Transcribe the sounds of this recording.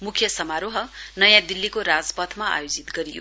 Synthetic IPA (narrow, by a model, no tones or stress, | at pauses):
mukʰjʌsʌmaɾoɦʌnʌjãd̪ilːikoɾad͡zpʌt̪ʰmaa̰jod͡zit̪ɡʌɾijo̰